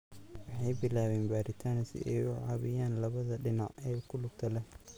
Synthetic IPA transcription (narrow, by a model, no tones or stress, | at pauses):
wɑħɑjbɪlaːwɛːnbaːɾɪt̪ʰaːnsɪ̰ʔɛ̰jʊʕɑːβɪjaːnlɐβɐðɐɖɪnaʕʔɛːkʰʊlʊɡt̪ʰɐlɛh